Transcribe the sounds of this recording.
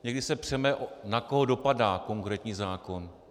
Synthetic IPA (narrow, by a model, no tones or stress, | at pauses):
ɲɛɡdɪsɛpr̝̥ɛmɛʔnako̞ɦodo̞padaːko̞ŋkɾɛːt̪ɲiːzaːko̞n